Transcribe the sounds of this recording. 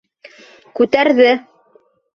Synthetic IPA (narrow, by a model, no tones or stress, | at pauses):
kʉt̪æɾðɘ